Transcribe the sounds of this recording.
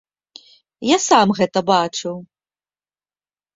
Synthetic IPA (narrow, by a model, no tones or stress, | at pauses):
jasamɣɛt̪ɐbat͡ʂɨw